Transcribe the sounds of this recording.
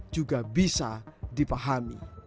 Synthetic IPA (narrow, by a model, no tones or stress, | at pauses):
d͡ʒuɡabisadipaɦamḭ